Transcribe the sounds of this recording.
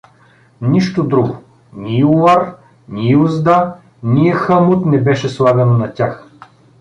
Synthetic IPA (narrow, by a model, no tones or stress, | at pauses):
niʃt̪od̪ɾuɡo | nʲiuaɾ | nʲiuzd̪a | nʲiɛxəmʊt̪nɛbɛʃɛslˠavʲɛnonɐtʲax